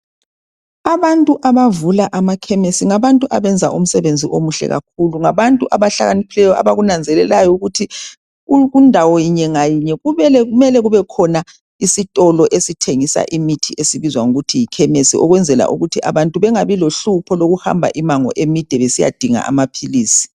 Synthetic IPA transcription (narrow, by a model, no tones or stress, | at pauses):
aβantʼuʔaβavulaʔamakʰɛmesiŋaβantʼuʔaβɛnd͡zʱaʔum̩sɛβend͡zʱiʔomuɬɛ̰ɣa̰k̚ʰuluŋaβantʼuʔaβaɬa̰ɣanipʰilɛjɔa̰βaɣunand͡zʱɛlɛlajɔuɣutʰi | ɣundʱawɔjiɲɛŋajiɲɛɣuβɛlɛɣumɛlɛɣuβɛkʰɔna | isitʼɔlɔʔesitʰeŋisa̰ʔimitʰiʔesiβizwaŋuɣutʰijikʰɛmesiʔɔɣwɛnd͡zʱɛla̰ʔṵɣutʰiʔa̰βantʼuβɛŋaβiloɬupʰɔloɣuha̰mbʱa̰ʔimaŋɔ̰ʔemid̥ʱɛβesija̰d̥ʱiŋa̰ʔa̰mapʰiliːsi̥